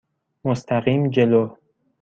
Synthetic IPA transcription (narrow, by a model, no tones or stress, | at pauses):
most̪ʰæɣiːmd͡ʒe̞lo